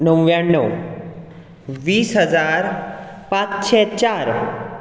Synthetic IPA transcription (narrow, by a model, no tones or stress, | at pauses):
nəwjaɳːə | ʋiːsɦəd͡zaɾ | pãt͡sɕɛt͡ɕaɾ